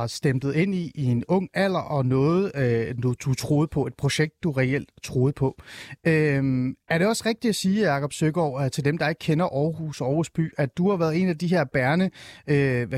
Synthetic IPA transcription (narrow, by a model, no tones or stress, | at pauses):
ɑ̈sd̥emd̥ð̞̩ˠe̝n̰iienɔ̽ŋ̰æl̰ɐʔɒ̽nɔ̽ːð̞̩ˠnud̥ut͡sʰʁo̝ːð̩ˠpʰɒ̽e̝d̥pʰʁo̝ɕeɡ̥̚d̥ːuʁɛel̰d̥t͡sʰʁoːð̞̩ˠpʰɒ̽ømæɐɾe̝ɒ̽sʁeɡ̥̚d̥id̥æsiːjɑ̈ːkʰɒ̽b̥søɡ̥ɒʊt͡sʰe̝ld̥emd̥ɑ̈e̝ɡ̥̚kʰenɐʔɒʊhusɒːhusb̥y̰ːæd̥uhɑ̈ʋæɐðˠe̝̰næd̥iɦeɐ̰b̥æɐnəø